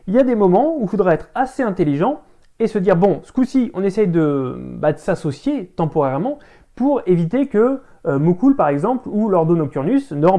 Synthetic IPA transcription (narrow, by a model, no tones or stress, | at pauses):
iljad̪emɔmɑ̃ufod̪ʁaɛt̪χaseɛ̃t̪eliʒɑ̃ | esəd̪iʁbɔ̃skusiɔ̃nesɛjd̪əbad̪əsasɔsjet̪ɑ̃pɔʁɛʁmɑ̃ | puʁevit̪ekʲə | mukulpaʁɛɡzɑ̃plulɔʁd̪onɔk̚t̪yʁnysnəɑ̃